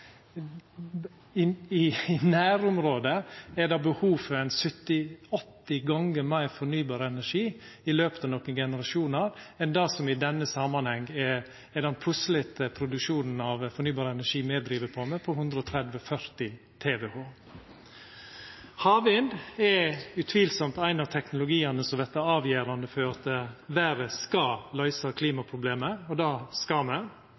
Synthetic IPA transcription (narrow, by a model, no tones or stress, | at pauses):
ɪnæːɾʊmɾoːd̪əɛɖɑbəhuːfɔɾɛɪnsœt̪ːɪɔt̪ːɪɡɑŋəmæɪfɔɳyːbɑːɾəɛnæʂiː | ɪløːpət̪ɑʋnɔkːənɡɛnəɾɑʃuːnɑɾɛnd̪ɑsɔmɪd̪ɛnːəsɑmɑnhɛŋːɛ | ɛd̪ɛnpʰʉslɪt̪əpʰɾʊd̪ʉkʂuːnn̩ɑʋfɔɾɳyːbɑːɾəɛnæʂiːmɛːd̪ɾiːʋəpʰɔmɛpʰɔɦʉnd̪ɾəɔt̪ʰɾɛd̪ʋəfœɾt̪ɪ | t̪ʰeːʋɛhoː | hɑːʋɪnd̪ɛʉt̪ʰʋiːlsɔmt̪æɪnɑʋt̪ʰɛknʊlʊɡiːənəsɔd̪ɛt̪ːəæɑːʋjeːɾɑnd̪əfɔɾɑt̪ʋæːɾəskɑlœʏsɑkʰliːmɑpʰɾʊbleːməɔd̪ɑːskɑmɛn